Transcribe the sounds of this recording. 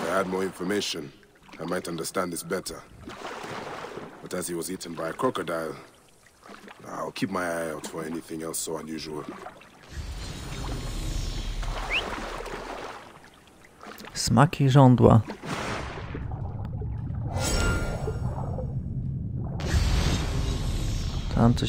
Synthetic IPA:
aɪɨd̚mɔɹɪ̃ɱfə˞meɪʃɨ̃n | aɪmaɪtʌ̃ndə˞stæ̃nðɪsb̥ɛtə˞ | b̥ʌtɨz̥iwʌziʔn̩baɪəkʰɹ̥ɔkɨdaɪlˠ | a̰ɪlˠkʰip̚maɪaɪətʰəɛniθɪ̃ŋɛlˠsoʊə̃njʉʒəəl̩ˠ | smakʰʲiʐɔ̃nd̪wa̰ | t̪ʰa̰mt̪sɔ

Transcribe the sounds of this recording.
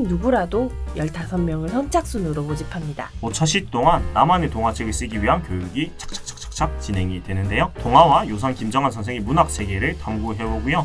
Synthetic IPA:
nnuɡuɾadojʌɭtasʰʌnmjʌŋɯɭsʌnt͡ɕ͈ʰak̚s͈unɯɾobod͡ʑipʰamɲidaot͡ɕʰʌɕ͈ʰit͈oŋanːamanetoŋɦat͡ɕʰeɡɯɭs͈ɯɡiɥiɦankjojuɡit͡ɕʰḁk̚t͡ɕʰḁk̚t͡ɕʰḁk̚t͡ɕʰḁk̚t͡ɕʰak̚t͡ɕinɦe̞ŋidwe̞nɯnde̞jotoŋɦawajosʰʌnkimd͡ʑʌŋɦansʰʌns̬ʰeŋimunak̚sʰe̞ɡe̞ɾɯɭtamɡuɦe̞boɡujo

